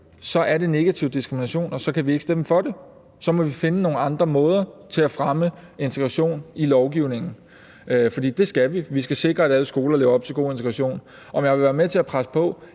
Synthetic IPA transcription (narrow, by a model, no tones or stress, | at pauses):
sɒ̽ʔæɐɾe̝ne̝ɡ̥æt͡sʰiʊd̥isɡ̥ʁiminæɕo̝̰ːnɒ̽sɒ̽kʰæʋie̝ɡ̥sd̥eməfɒ̽de̝ | sɒ̽mɒ̽ʋife̝nəno̝ːn̩ɑ̈nd̥ʁɐmɔ̽ːð̞ˠɐt͡sʰe̝læfʁaməe̝nt͡sʰeɡ̥ʁɑ̈ɕo̝̰ːnilɒʊɡ̥iʊne̝ŋn̩ | fɒ̽d̥ḭːd̥e̝sɡ̥æʋiʋisɡ̥æse̝ɡ̥ʁɐæd̥æləsɡ̥o̝ːlɐleːʊɐɒb̥̚t͡sʰe̝lɡ̥o̝̰ːe̝nt͡sʰɡ̥ʁɑɕo̝̰ːn | ʔɒ̽mjɑɪʋeʋæːɐmet͡sʰe̝æpʰʁasə̥pʰɒ̽